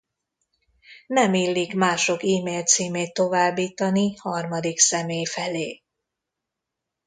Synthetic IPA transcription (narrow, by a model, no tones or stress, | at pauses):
nɛmiːlːikmaːʃo̞kiːmeːlt̪siːmeːt̪ːo̞vaːbːiːt̪ɒnihɒrmɒd̪iksɛmeːjfɛleː